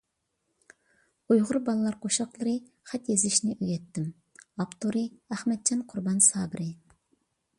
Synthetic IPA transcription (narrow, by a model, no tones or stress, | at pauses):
ujʁʊɾbɑlˠɨlˠɑɾqʰoʃɑqlˠəɾɨ | χɛt̪jezɪʃnɪʔøɡʲɛt̪ːɪm | ɑpt̪oɾɨæhmɛt̪̚d͡ʒɑnqʰʊɾbɑnsɑːbɪɾɪ